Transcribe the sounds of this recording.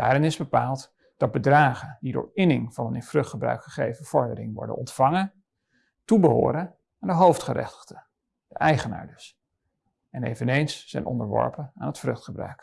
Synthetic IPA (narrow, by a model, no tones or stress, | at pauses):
d̥aːɾɪnɪzbəpaːlˠt | d̥ɑtd̚bədraːχəndidʊ̰ːɹɪnɪŋv̥ɑnənɪnfrɵχtχəbrœ̰ɥkχəχejvəv̥ɔɹdəɾɪ̰ŋʋɔ̰ɹdə̰nɔ̰ntfɑŋə | tubəɦo̰ːɾə | ɛndəɦowftχərɛ̰χtə̥χdə | d̥əʔɛjχəna̰ːɹdɵs | ɛnḛjvənejnsːɛ̰jnʔɔ̰ndəɹʋɔ̰ɹpənaːnɦətfrɵχtχəbrœ̰ɥk